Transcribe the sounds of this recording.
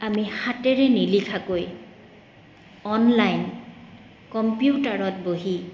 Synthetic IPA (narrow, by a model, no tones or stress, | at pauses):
amixatɛɹɛnilikʰakoj | ɔnlajn | kɔmpjutaɹɔtboɦi